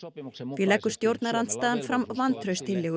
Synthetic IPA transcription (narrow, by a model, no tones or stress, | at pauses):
vɪlɛkːʏ̥st̪jowɾt̪naɾant̪st̪aːðanfɾamvant̪ʰɾœɥst̪ʰɪljɛɣ